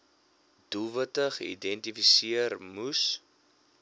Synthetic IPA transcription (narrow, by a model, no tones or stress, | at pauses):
d̥ulˠvətəχḭdɛntifisiərmus